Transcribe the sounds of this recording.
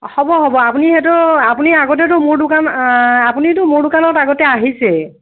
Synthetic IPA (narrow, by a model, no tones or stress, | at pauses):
hɔbɔɦɔbɔapunihɛtʊapuniaɡɔt̬ɛt̬ʊmʊɹdʊkanapunitʊmʊɹdʊkanɔtaɡɔtɛaɦisɛ